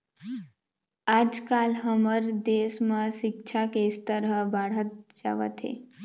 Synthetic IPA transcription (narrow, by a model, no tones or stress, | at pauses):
ad͡ʒkalɦəməɾd̪esmãʃɪk̚t͡ʃʰakest̪əɾəbaɽ̤ət̪̚d͡ʒa̰ʋə̰t̪ʰɦḛ